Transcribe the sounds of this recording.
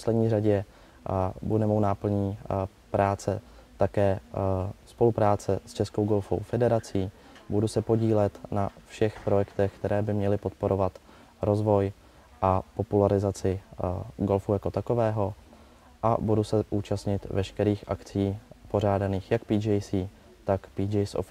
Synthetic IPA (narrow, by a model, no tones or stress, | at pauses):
oslɛdɲiːraɟɛ | budɛmownaːpl̩ɲiː | pɾʔaːt͡sɛ | t̪akɛː | spo̞lupɾaːt͡sɛst͡ʃɛsko̞wɡo̞lfo̞̰wfɛdɛɾat͡siː | budusɛpo̞ɟiːlɛt̪nafʃɛxpɾo̞jɛkt̪ɛxkt̪ɛɾɛːbɪmɲɛlɪpo̞t̪po̞ɾʔo̞vat̪ | ɾo̞zvo̞j | ʔapo̞pulaɾɪzat͡sɪɡo̞lfuːjako̞t̪ako̞vɛːɦo̞ | ʔa̰budusɛʔuːt͡ʃast̪ɲɪt̪vɛʃkɛɾiːxʔakt͡sɪjːpo̞ɾ̝aːdaniːxjakpiːd͡ʒɛjsiː | t̪akpiːd͡ʒɛjso̰f